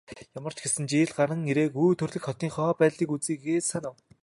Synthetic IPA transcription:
jamə̆r̥t͡ɕɡesɘ̆nt͡ɕiːɮɢaɾə̆ŋiɾeːkuːt̪ʰɵrɮɘ̆xχɔt̪iːŋχɔːpæːɮiːkut͡siːkɡeːsanaw

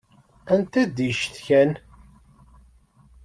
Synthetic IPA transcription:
ænt̪æd̪iʃθçæn

